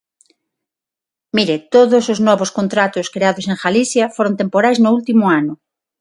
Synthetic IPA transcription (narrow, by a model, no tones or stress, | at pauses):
miɾɪt̪oðʊsʊznɔβoskont̪ɾat̪ʊskɾeaðʊseŋxaliθjɐfoɾont̪empoɾajznʊult̪imʊanʊ